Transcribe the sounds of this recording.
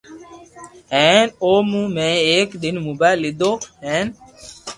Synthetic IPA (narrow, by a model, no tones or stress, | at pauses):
ɦɛːnoːmũmɛ̃ːeːkɗ̪ɪnmʊbalɪd̪oːɦɛ̃ːn